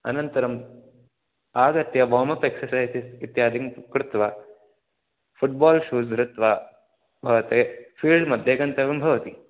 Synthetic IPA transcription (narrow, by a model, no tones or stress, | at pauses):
ɐ̰nɐnt̪ɐɾɐm | aːɡɐt̪jɐbɔːmɐpeksɐɾsaːjsisit̪jaːd̪ʱiŋkɾut̪ʋaː | fuʈ̚baːlʃuːsɾut̪ʋa | bʱɐʋɐt̪eːfiːɭɖmɐd̪ʱjeɡɐnt̪ɐʋimbʱɐʋɐt̪i